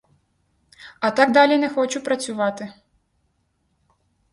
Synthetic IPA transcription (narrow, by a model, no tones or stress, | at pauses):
ɐt̪ɑɡd̪ɑlʲinɛxɔt͡ʃʊpɾɐt͡sʲʊʋɑt̪ɪ